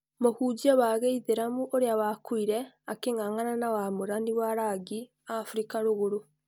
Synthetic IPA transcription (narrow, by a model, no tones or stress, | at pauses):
mohuɟioβaɣeiðeɾamuʔoɾeaβakwiɾe | akeŋaŋananawamuɾaniwaɾaɡi | afuɾikaɾuɣoɾo